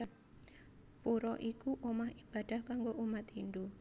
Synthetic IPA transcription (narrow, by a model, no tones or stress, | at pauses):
puɾɔʔikuʔomahib̥ad̪̥a̤hkaŋɡoʔumat̪ɦind̪u